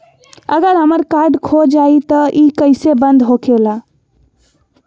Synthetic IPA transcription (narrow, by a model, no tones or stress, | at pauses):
əɡəɾɦəməɾkaɾɖkʰod͡ʒait̪əʔikəɪsebənd̪ɦokʰela